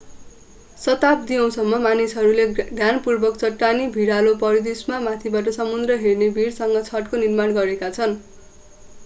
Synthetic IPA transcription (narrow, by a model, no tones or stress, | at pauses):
sʌt̪ap̚d̪iʌ̃w̃sʌmːʌmanisɦʌɾuleɡjanpurbʌk̚t͡sʌʈːanibʱiɽalopʌɾid̪ismamat̪ʰibaʈ̬ʌsʌmund̪rʌɦernebʱiɽsʌŋɡʌt͡sʰʌʈkonirmanɡʌɾekat͡sʰʌn